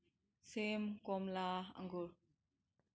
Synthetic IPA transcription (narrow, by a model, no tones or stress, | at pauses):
semkɔmlaa̰ŋɡuɾ